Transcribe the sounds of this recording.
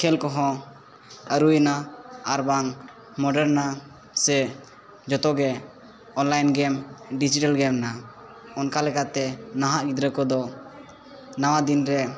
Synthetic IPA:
kʰɛlkɔɦɔ̃ | əɾujnaaɾbaŋ | mɔɖɛɾna | sɛ | d͡ʒɔt̪ɔɡɛ | ɔnlajnɡɛmɖid͡ʒiʈalɡɛmna | ɔnkalɛkat̪ɛnaɦaʔɡid̪ɾəkɔd̪ɔ | nawad̪inɾɛ

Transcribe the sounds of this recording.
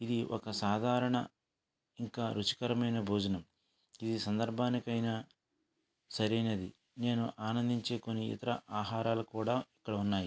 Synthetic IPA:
id̪iʔɔ̰kɐsaːd̪ʱaːɾɐɳɐ | iŋkaːɾut͡ʃi̥kɐɾɐmɐjnɐbʱuːd͡ʒɐnɐm | id̪isɐnd̪ɐɾbʱaːnikɐjnɐ | sɐɾɐjnɐd̪i | ne̞ːnuʔaːnɐnd̪iɲt͡ʃe̞ːko̞nːiḭt̪ɐɾɐ̰ʔaːɦaːɾaːlukuːɽaːikːɐɽɐunːaːji

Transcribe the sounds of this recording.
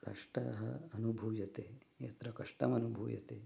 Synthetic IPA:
kɐʂʈɐ̰ɦɐɐnubʱuːjɐt̪eːjɐ̰t̪ɾɐkɐʂʈɐmɐnubʱuːjɐ̰t̪eː

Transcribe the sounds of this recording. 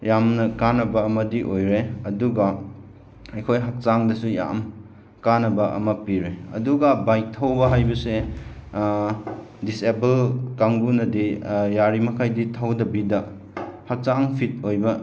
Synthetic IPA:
jamnɐkanɐbɐːmɐdiʔojɾeɐduɡɐ | ɐjkʰojɦak̚t͡ʃaŋdɐsuja̰m | kanɐbɐʔɐ̰mɐpiɾeɐ̰duɡɐbajk̚tʰawbɐɦajbɐse | disebelkaŋbunɐdijaɾimɐkʰajditʰawdɐbidɐ | hak̚t͡ʃaŋpʰit̚ojbɐ

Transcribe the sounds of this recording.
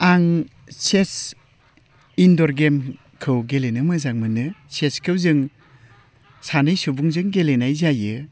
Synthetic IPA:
aŋ | ses | indɔɾɡem | kʰɯwɡelenɯmɯzaŋmɯnɯseskʰɯwzɯŋ | sanɯjsubuŋzɯŋɡelenajzajɯ

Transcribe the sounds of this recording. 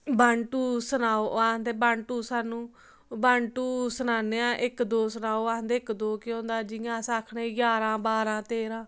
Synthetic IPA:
baːɳʈuːsənaːoːaːɦənd̪eːbaːɳʈuːsaːnũː | baːɳʈuːsənaːneːãːʔɪkd̪oːsənaːoːaːɦənd̪eːɪkd̪oːkɪõːnd̪aːd͡ʒɪãːsaːkʰnẽːɡaːɾãːbaːɾãːt̪eːɾãː

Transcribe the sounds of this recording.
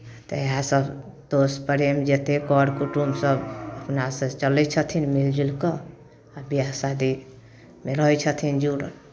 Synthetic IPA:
t̪əeɦãsəb | d̪ospəɾemd͡ʒet̪ekɔɖkuʈumsəbəpnasə̃t͡ʃəlɛt͡ʃʰət̪ʰinmild͡ʒilkə | abijasad̪i | meɾəɦɛt͡ʃʰət̪ʰind͡ʒuɽə

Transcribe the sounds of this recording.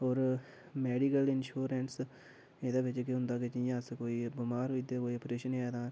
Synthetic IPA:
ɔːɾ | meːɖikəlɪnʃuːɾeːɳʈs | ed̪aːbɪt͡ʃkeɦʊ̃nd̪aːkɪt͡ʃĩjãːskoːiːbəmaːɾɦoid̪eːkoːiɔpɾeːʃəneaːd̪ãː

